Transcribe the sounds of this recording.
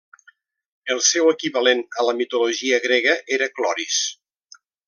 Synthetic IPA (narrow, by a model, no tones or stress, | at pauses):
əlˠsɛwəkiβəlenələmit̪uluʒiəɣɾeɣəʔeɾəklɔɾis